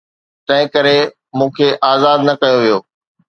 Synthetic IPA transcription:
t̪ɐ̃ɦɪ̃kɐɾe | mũːkʰeʔaːzaːd̪nɐkɐjoʋijoː

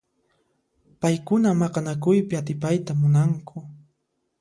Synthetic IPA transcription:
pajkʊnamɑqɑnakʊjpɪat̪ɪpajt̪amʊnaŋkʰʊ

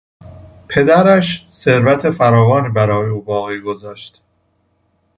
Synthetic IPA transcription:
pʰe̞d̪æɾæʃse̞ɾvæt̪ʰe̞fæɾɒːvɒːniːbæɾɒːjeuːbɒːɣiːɡo̞zɒːʃt̪

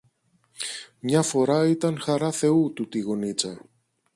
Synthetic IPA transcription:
mɲɐfo̞ɾɐit̪ɐŋxɐɾɐθe̞ut̪ut̪iɣonit͡sɐ

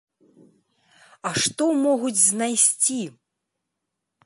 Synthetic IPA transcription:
ɐʂt̪ɔmɔɣud͡zʲznajsʲt͡sʲi

